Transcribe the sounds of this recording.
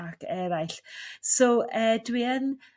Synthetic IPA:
akɛɾajɬsowʔəːdwiən

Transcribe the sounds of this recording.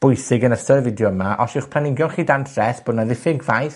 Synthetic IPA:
b̥ʊjsɪɡənəstərvɪdjɔəmaʔɔsɪwχpʰlanɪɡjɔnχiːdantʰrɛθb̥oːdnaðɪθɪɡvajθ

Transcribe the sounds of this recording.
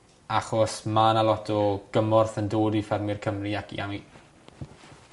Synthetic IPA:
aχɔsmanalˠɔtʰɔɡ̥əmɔrθəndoːdifɛrmɪrkʰəmriakʰḭawi

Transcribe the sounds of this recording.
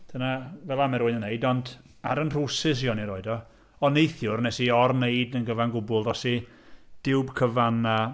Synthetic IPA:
d̥ʰənavɛlˠamɛɾʊɨnənejdɔnd | aɾənr̥usɨs̬iɔniɾɔɨdɔ | ɔnejθjʊrnɛsiɔrneɨdənɡəvanɡʊbʊlˠðɔsi | d̥ɪwbkʰəvana

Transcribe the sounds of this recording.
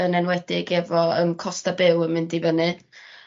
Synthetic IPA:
ənɛnwɛd̥ɪɡɛvɔə̰mkʰɔstabɪwəmɪndivənɨ

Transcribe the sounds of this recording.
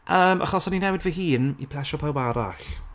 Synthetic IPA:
ʔəːmʔa̰χɔsɔninɛwɪdvəɦiːnḭpʰl̥ˠɛʃɔpʰawbaɾa̰ɬ

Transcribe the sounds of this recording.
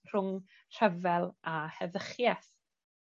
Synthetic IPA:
r̥ʊŋ | r̥ɛvɛlˠahɛðəχjɛθ

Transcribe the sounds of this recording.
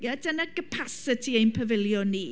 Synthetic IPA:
jadənəɡ̥əpʰasətʰiejnpʰəvɪljɔniː

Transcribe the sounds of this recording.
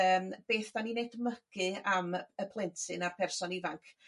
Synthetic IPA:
əːmb̥eːθd̥aninejdməɡ̥ɨaməpʰlˠɛntʰɨnarpʰɛrsɔnɪvaŋkʰ

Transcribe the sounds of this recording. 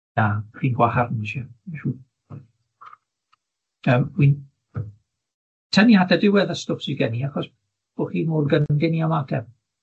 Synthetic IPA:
aχiːnɡwaharnʃaʃuː | əmwin | tʰɛnihatʰadɪwɛðəstʊfsiɡɛniaχɔs | b̥oχiːmoːrɡənndɛniamatʰɛ

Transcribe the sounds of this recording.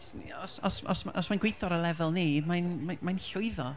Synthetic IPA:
ɔsɔsɔ̰smaʔɔsmajnɡwejθɔɾəlɛvɛlˠniːmajnmamajnɬʊɨðɔ

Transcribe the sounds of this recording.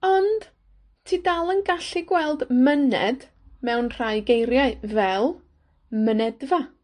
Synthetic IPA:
ɔnd̥ | tʰiːdalˠənɡaɬiɡwɛlˠdmənɛ̰d | mɛwnr̥ajɡejɾjaɨvɛlˠ | mənɛdva

